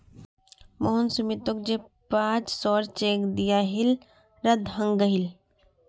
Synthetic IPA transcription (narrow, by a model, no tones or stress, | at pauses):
moɦʊnsumit̪ok̚d͡ʒepãːt͡ʃsɔːɾt͡ʃeːkd̪ijaɦɪl | ɾɐd̪ɦə̃ŋɡəɦɪl